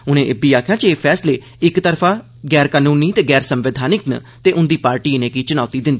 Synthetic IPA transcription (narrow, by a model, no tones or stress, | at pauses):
ʊnẽːʔɪbiːaːkʰjãːt͡ʃeeːpʰɛːsleː | ɪkt̪əɾpʰãː | ɡɛːɾkaːnuːniːt̪eːɡɛːɾsəmʋɪd̪ʱaːnɪknə̰ | t̪eːʔʊnd̪iːpaːɾʈiːnẽːkiːt͡ʃʊnaːt̪iːd̪ɪnd̪i